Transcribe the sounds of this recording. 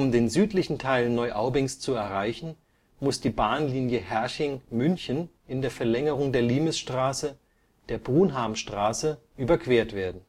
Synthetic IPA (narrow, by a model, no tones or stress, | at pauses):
ʊmdeːnzyːtlɪçn̩tʰaɪlnːɔʏʔaʊbɪŋst͡suɛɐʁaɪçn̩ | mʊsd̥iːbaːnliːnjəhɛɐçɪŋmʏnçən | ɪndeːɐfɛɐlɛŋəʁ̞ʊŋdeːɐliːməsʃtʁ̥aːsə | d̥eːɐbʁuːnɦaːmʃtʁ̥aːsəʔyːbɐkʰv̥eːɐtv̥eːɐdn̩